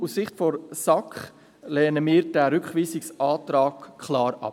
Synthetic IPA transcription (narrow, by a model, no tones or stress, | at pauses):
ussɪχtfɔɾsɑkχ | lɛːnəmiːɾd̥æɾʏkχʋiːsɪksʔɑːtɾɑːkʰχlɑːɾɑ̰p